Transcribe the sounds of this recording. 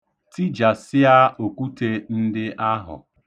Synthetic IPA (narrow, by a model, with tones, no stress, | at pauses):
ti˦d͡ʒa˨sɪ˦a˦o˨ku˦te˦n̩˦dɪ˦ʔa˦ɦʊ̰˨